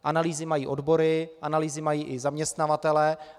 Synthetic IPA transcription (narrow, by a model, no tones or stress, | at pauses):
ʔanaliːzɪmajiːʔodbo̞ɾɪʔanaliːzɪmajiːʔɪzamɲɛst̪navat̪ɛlɛ